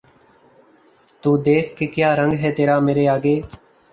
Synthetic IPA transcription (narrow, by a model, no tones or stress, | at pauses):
t̪uːd̪eːkʰːekjaːɾəŋɡɦɛːt̪eːɾaːmeːɾeːaːɡeː